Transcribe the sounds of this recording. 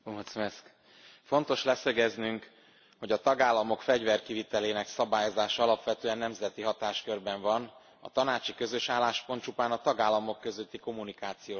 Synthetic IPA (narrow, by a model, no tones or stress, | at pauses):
oɦt̪smɛsk | fo̞nt̪o̞ʃlɛsøɡɛznyŋk | ho̞ɟɒt̪ɒɡaːlːɒmo̞kfɛɟvɛrkivit̪ɛleːnɛksɒbaːjo̞zaːʃɒɒlɒpʋɛt̪øːɛnːɛmzɛt̪iɦɒt̪aːʃkø̞rbɛɱvɒn | ɒ̰t̪ɒnaːt͡ʃikø̞zø̞ʃaːlːaːʃpo̞nt̪t͡ʃupaːnɒt̪ɒɡaːlːɒmo̞kːø̞zøt̪ːiko̞munikaːt̪sijoː